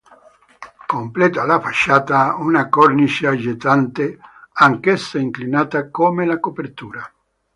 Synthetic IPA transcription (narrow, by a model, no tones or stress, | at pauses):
komplɛːt̪oalafaʃːaːt̪aunakornit͡ʃad͡ʒet̪ant̪eaŋkesːaiŋklinaːt̪akomelakopert̪uːɾa